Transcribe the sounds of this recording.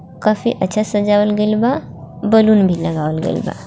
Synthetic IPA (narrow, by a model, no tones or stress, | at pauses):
kaːfʰḭʔətːʃʰasəd͡ʒaʋəlɡelba | bəlunbʱiləɡaʋəlɡḛlba̰